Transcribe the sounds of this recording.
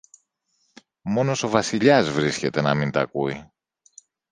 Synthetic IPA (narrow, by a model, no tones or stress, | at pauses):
mo̞no̞so̞vɐsiʎɐzvɾisce̞t̪e̞nɐmint̪ɐ̰kui